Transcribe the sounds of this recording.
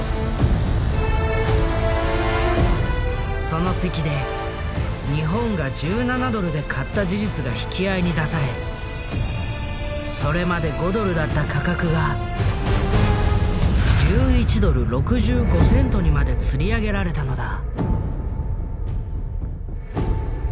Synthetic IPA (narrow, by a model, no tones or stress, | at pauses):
so̞no̞se̞kʲid̪e̞ | ɲ̟iɦõ̞ŋɡad͡ʑɨːnanad̪o̞ɾɯ̟d̪e̞kʰat̪ːaʑiʑit͡sɨɡaçi̥kʲiaiɲ̟id̪asaɾe̞ | so̞ɾe̞mad̪e̞ɡo̞d̪o̞ɾɯ̟d̪at̪ːakʰakakɯ̟ɡa | d͡ʑɨːit͡ɕid̪o̞ɾɯ̟ɾo̞kɯ̟ʑɨːɡo̞sẽ̞nt̪o̞ɲ̟imad̪e̞t͡sɨɾʲiaɡe̞ɾaɾe̞t̪ano̞d̪a